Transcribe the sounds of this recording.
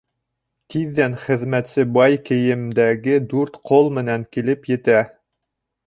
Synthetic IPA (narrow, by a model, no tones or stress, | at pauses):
t̪iðːænχɘ̆ðmæt̪sɘbɑjkɘ̆jɘ̆md̪æɡɘd̪ʉɾt̪qʰolˠmɘ̆næŋkilɘpjɘ̆t̪æ